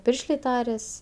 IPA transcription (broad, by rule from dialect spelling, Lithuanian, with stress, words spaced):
ˈpʲɪrʲʃʲlʲeː ˈtɑːrʲɛs